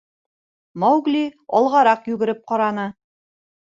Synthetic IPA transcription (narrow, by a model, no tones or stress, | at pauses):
mɑwɡliɒ̰lˠʁɑɾɑqjʉɡɘ̆ɾɘp̚qɑɾɑnɤ